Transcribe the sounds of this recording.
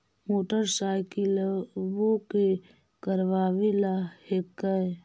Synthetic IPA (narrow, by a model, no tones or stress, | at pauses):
moːʈəɾsaːjkilboke | kəɾʋaːʋilahekːəj